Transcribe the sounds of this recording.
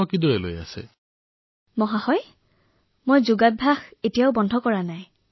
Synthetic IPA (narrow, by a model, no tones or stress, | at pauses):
ɔkidoɹɛlo̰ja̰sɛ̰ | mɔɦahɔj | mojzuɡat̚bʱaxetijaʊbɔndʱɔkɔɹanaj